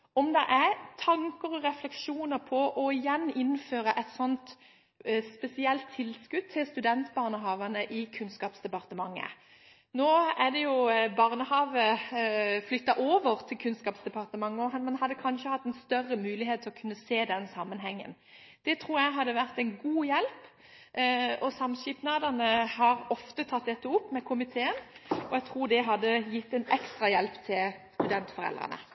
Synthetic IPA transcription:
ɔmd̪ɛʔæt̪ʰɑŋkəɾɔʁɛflɛkʂuːnəɾpʰɔʔɔɪjɛnːɪnːføːɾəʔɛt̪sɔnt̪ | spɛsɪɛlt̪ʰːɪlskʉd̪̚ʰɪlst̪ʉd̪ɛnt̪bɑːʁnəɦɑːʋənəʔɪkʰʉnskɑːpsd̪ɛpɑʁt̪əmɑŋːə̰ | noːæd̪ɛjʊbɑːʁnəhɑːʋə | flʏt̪ːɑʔoːʋəʁt̪ʰɪlkʰʉnskɑːpsd̪ɛpɑʁt̪əmɑŋːɔhɑmɛnhɑd̪ːəkʰɑnʃəhɑt̪ːɛnst̪œrːəmʉːlɪheːt̪ʰːɪlɔkʰʉnːəseːd̪ɛnsɑmːənɦɛŋːə̰n | d̪̥ɛt̪ʰʁuːɾjæɪɦɑd̪ːəʋæʁt̪ɛɪnɡuːjɛlp | ɔsɑmʃɪpnɑːd̪ənəhɑɾɔft̪ət̪ʰɑt̪̚d̪ɛt̪ːəʊpːmɛkʰʊmɪt̪ʰeːənɔɛɡt̪ʰʁuːd̪ɛɦɑd̪ːəjɪt̪ːɛɪnɛkst̪ʁɑjɛlpt̪ʰɪlst̪ʉd̪ɛnt̪fɔʁɛ̰lʁə̰nə̰

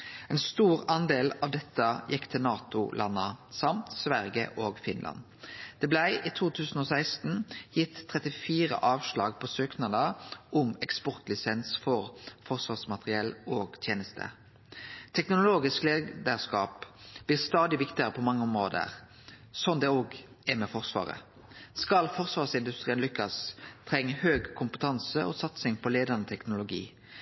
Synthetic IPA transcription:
ɛɪnst̪uːʁɑnd̪eːlɑʋd̪ɛt̪ːəjɪkːt̪ʰɪlnɑːt̪ʊlʔɑnːəsɑmt̪sʋæʁjə̰ʔoːɡfɪnlʔɑ̰n | d̪̥ɛːblæɪʔiːt̪ʰuːt̪ʰʉːsn̩ɔːsæɪst̪n̩jɪt̪ʰːʁɛt̪ɪfiːʁə̰ʔɑːʋʂɭɑːɡpʰɔsøːknɑd̪əʊmɛkspɔʁt̪lɪsɛnsfɔʁfɔʁsʋɑːʁsmɑt̪ʁɪɛloːɡt̪ʰjeːnəst̪ʰə̰ | t̪ʰɛknʊʊloːɡɪskleːd̪əʁskɑːpb̥liːʁst̪ɑːd̪ɪʋɪkt̪ɪəʁəpʰɔmɑŋːəʊmʁoːd̪ə̰ʁ | sɔnd̪ɛoːɡ | ɛmɛfɔʁsʋɑ̰ːʁə̰ | skɑlfɔʁsʋɑːʁsɪnd̪ʉst̪ʁiːənlʏkːɑst̪ʰʁɛŋːəhøːɡkʰʊmpət̪ʰɑnsəʔoːsɑt̪sɪŋpʰɔleːd̪ɑʁnət̪ʰɛknʊlʊɡḭː

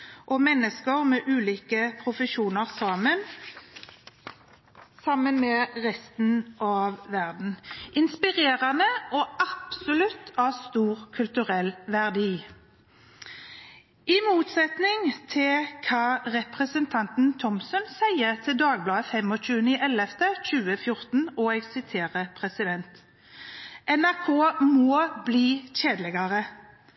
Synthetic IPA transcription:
ʔɔmɛnːəskəʁmɛːʔʉːliːkəpʰʁʊfəʃuːnəʁsɑmən | sɑmːənmɛʁɛst̪n̩ʔɑːʋʋæʁd̪n̩ʔɪnspɪʁeːʁɑnəʔɔɑpsʊlʉt̪ʰːɑːʋst̪uːʁkʰʉlt̪ʉʁɛlʋæʁd̪iː | ʔɪmuːt̪sɛt̪nɪŋt̪ʰɪlkʰɑʁɛpʁəsənt̪ʰɑnt̪n̩t̪ʰɔmsɔnsæɪət̪ʰɪld̪ɑːɡ̚blɑːəfɛmɔt͡ʃʉːənɪʔɛlɛft̪ʰəc͡çʉːəfjʊʁt̪n̩ɔɛɡsɪt̪ʰeːʁəpʰʁɛsɪd̪ɛnt̪ | ʔɛnæʁkʰoːmoːbliːɕeːd̪ləɡɑʁə

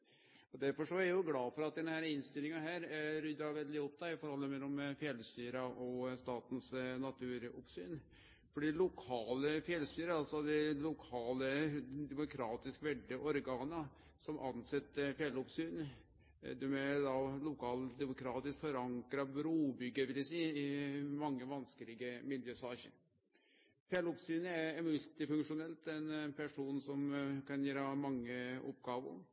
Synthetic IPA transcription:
ɔd̪æɾfɔʂɔæɾjʊɡlɑːfɔɾɑt̪̚d̪ɛnhæːɾɪnst̪ɪlɪŋɑɦæːɾɾʏd̪ʋɛld̪ɪɔp̚ːd̪æɪfɔɾhɔlːəmɛlːɔmfjɛlːst̪yːɾɑʔɔst̪ɑːt̪nsnɑt̪ʰʉːɾʊpsy̰ːn | fɔɖiːlʊkʰɑːləfjɛlst̪yːɾəɑlsɔd̪ɛlʊkʰɑːləd̪ɛmʊkʰɾɑːt̪ɪskʋɛɖːəʔɔɾɡɑːnə | sɔmʔɑnsɛt̪ːəfjɛlʊpsyːn | d̪ɛmɛd̪ɑlʊkʰɑːld̪ɛmʊkʰɾɑːt̪ɪskfɔɾɑŋkɾɑbɾuːbʏɡːəʋɪljæsiːɪmɑŋːəʋɑnskəlɪɡəmɪljøːsɑːçə̰ɾ | fjɛlʊpsyːnəæmʉlt̪ɪfʉŋkʂʊnɛlt̪ɛnpʰæʂuːnsɔmkɑnjiːɾhɑmɑŋːəɔ̰pːɡɑːʋʊ̰ɾ

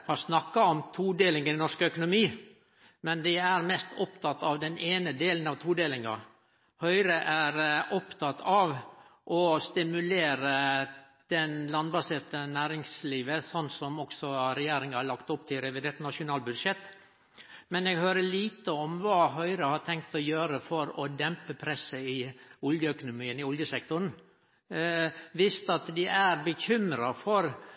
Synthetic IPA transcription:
hɑsnɑkːɑɔmt̪ʰuːd̪eːlɪŋənɛnɔʂkəœkʊnʊmiː | mɛnd̪ɪæɾmɛst̪ʰɔpt̪ʰɑt̪ːɑʋd̪ɛnʔeːnəd̪eːlənɑʋt̪ʰuːd̪eːlɪŋɑ̰ | hœʏɾəʔæɾʔɔpt̪ʰɑt̪ɑʋʔɔst̪ɪmʉleːɾə | d̪̥ɛnlɑnbɑseːɾt̪ənæːɾɪŋsliːʋəsɔnːsɔmɔksɔɾɛjeːɾɪŋəhɑɭɑkt̪ʊpːt̪ʰɪlɾɛʋɪd̪eːɾt̪nɑʂʊnɑːlbʉd̪ʂɛt̪ː | mɛnɛɡhøːɾəɭiːt̪əɔmʋɑːɦœʏɾəhɑʈ̪ʰɛŋk̚t̪ɔjøːɾəfɔɾɔd̪ɛmpəpʰɾɛsəɪʊljəœkʊnʊmiːənɪɔljəsɛk̚t̪ʊn̩ | ʋɪst̪ɑt̪d̪ɪʔæɾbəçʏmɾɑfɔɾ

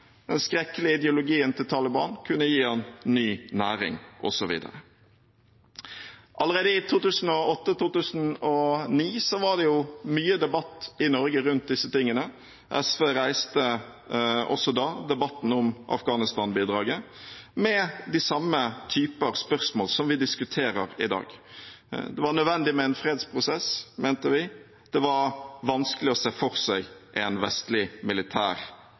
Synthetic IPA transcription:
d̪ɛnskɾɛkːəlɪəɪd̪ɛʊlʊɡiːənt̪ʰɪlt̪ʰɑːləbɑ̰ːnkʰʉnːəjiːɑnnyːnæːɾɪ̰ŋʔɔ̰sɔʋḭːd̪ə̰ɾə | ʔɑləɾeːd̪əɪt̪ʰuːt̪ʉːsn̩ɔɔt̪ːət̪uːt̪ʉːsn̩ɔniːsɔʋɑʁd̪ɛjʊmyːəd̪ɛbɑt̪ːɪnɔɾɡəɾʉnt̪̚d̪ɪsːət̪ɪŋːənə | ʔɛsʋeːɾæɪst̪ə | ʔɔ̰sːɔd̪ɑd̪ɛbɑt̪ːn̩ʊmʔɑ̰fɡɑːnɪst̪ɑːnbiːd̪ɾɑːɡəmɛd̪ɪsɑmːət̪ʰyːpəʁspœʁsmoːlsɔmʋɪd̪ɪskʉt̪ʰeːɾəɾɪ̰d̪ɑ̰ːɡ | d̪ɛʋɑɳœd̪ʋɛnd̪ɪmɛɛnfɾeːd̪spʰɾʊsɛsmeːnt̪əʋɪ | d̪̥ɛʋɑɾʋɑnskəlɪɔseːfɔɾsæɪʔænʋɛst̪lɪmɪlɪt̪ʰæ̰ːɾ

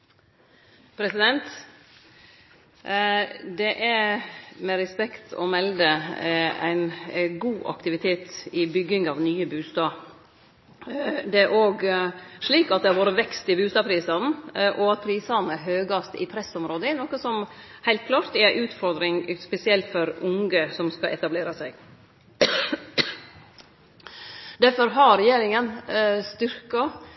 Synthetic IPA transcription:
pʰɾɛsɪd̪ɛnt̪ | d̪ɛʔæɾmɛɾɛspɛkt̪ʰɔ̰mɛld̪ə | æ̰ɪnɡuːʔɑ̰kt̪ɪʋɪt̪ʰeːt̪ɪbʏɡːɪŋɑʋnyːəbʉːst̪ɑː | d̪ɛæɾʔoːɡʂɭiːkɑt̪̚d̪ɛhɑɾʋoːɾəʋɛkst̪ɪbʉːst̪ɑːpʰɾiːsɑn̩ʔɔɑt̪̚pʰɾiːsɑnəɦøːɡɑst̪ɪ̰pʰɾɛsɔmɾoːd̪əɪnɔkəsɔm | hæɪlt̪̚kʰlɑːɾt̪d̪ɛæʔʉːt̪fɔɾd̪ɾɪŋspɛsɪɛlt̪fɔɾʊŋɡəsɔmskɑʔɛ̰t̪ɑbleːɾɑsæɡ | d̪æɾfɔɾɦɑɾɛjeːɾɪŋənst̪ʏɾkɑ

